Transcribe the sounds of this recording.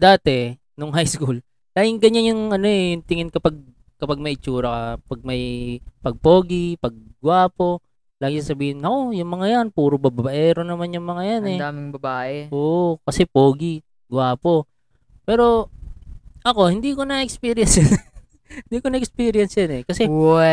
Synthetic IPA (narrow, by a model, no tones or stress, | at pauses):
d̪aːt̪ɛ | noŋɦajskul | laːɡɪŋɡɐɲːanjʊŋʔɐno̞ɛjʊŋt̪ɪŋɪnkɐpaɡ̚ | kɐpaɡ̚mɐʔɪt͡ʃuːɾɐkɐpɐɡ̚mɐjpɐɡ̚po̞ːɡɪpɐɡ̚ɡwaːpo̞ | laːɡɪsasɐbiːhɪnɐʔo̞jʊŋmɐŋajanpuːɾobɐbabaʔɛɾonɐmanjʊŋmɐŋajanɛd̪aːmɪŋbɐbaːʔɛʔoːʔokɐsɛpoːɡɪ | ɡwaːpo̞ | pɛːɾo̞ | ʔɐko̞hɪnd̪iko̞nɐʔɛkspiːɾɪjɐnsjan | hɪnd̪ikonɐɛkspiːɾɪjɐnsjanɛkɐsɛ